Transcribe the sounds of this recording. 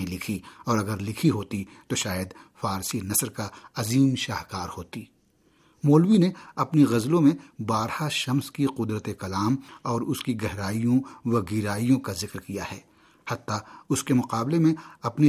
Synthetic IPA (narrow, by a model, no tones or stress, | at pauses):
ẽlɪkʰiɔːɾɐɡəɾlɪkʰiɦoːt̪it̪oʃaːjəd̪faːɾsinɐsɾkaɐziːmʃaːɦkaːɾhoːt̪iː | moːlwineɐpniɣɐzlõmẽbaːɾhaʃɐmskiqʊd̪ɾət̪ekɐlaːmɔːɾʊskiɡɛɦɾaːijõʋɐɡiɾaːijõkazɪkɾkijahɛ̰ː | hɐt̪ːaʊskemʊqaːblemẽɐpni